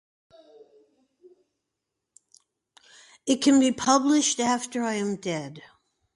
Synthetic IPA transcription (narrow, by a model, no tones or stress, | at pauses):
ɨt̚kʰɨ̃nbipʰʌblɪʃtæftə˞aɪɨ̃mdɛd̥